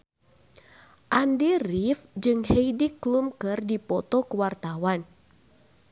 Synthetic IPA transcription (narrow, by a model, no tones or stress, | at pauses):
ʔandirifd͡ʒɨŋhejdiklumkɨrdipɔt̪ɔkəwart̪awan